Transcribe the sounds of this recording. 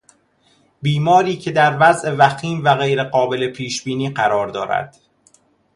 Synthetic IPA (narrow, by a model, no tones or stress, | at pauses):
biːmɒːɾiːcʰe̞d̪æɾvæzʔe̞væxiːmvæɣe̞jɾe̞ɢɒːbe̞le̞pʰiːʃbiːniːɢæɾɒːɾd̪ɒːɾæ̰d̪̥